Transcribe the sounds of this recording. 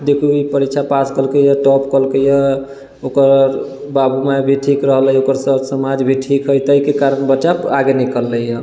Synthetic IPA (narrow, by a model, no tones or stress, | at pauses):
d̪ekʰuipəɾikt͡ʃʰapaskəlkəjəʈɔpkəlkəjɛ | okəɾɾ | babʱumebʱiʈʰikɾəɦləjokəɾsəsəmad͡ʒbʱiʈʰikɦəjt̪əkekaɾənbət͡ʃaaɡenikəlːəjə